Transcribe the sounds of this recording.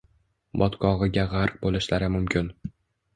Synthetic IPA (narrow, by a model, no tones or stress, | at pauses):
bɒt̪kʰɒʁɨɡʲaʁaɾq̚bolˠɪʃlaɾɪmʊmkʲʰɪn